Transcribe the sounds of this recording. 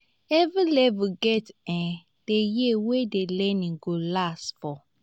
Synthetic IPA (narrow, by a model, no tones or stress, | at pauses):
ɛvilɛvuɡɛtɛ̃ | d̥ejewedelɛ̃nĩŋɡolasfɔ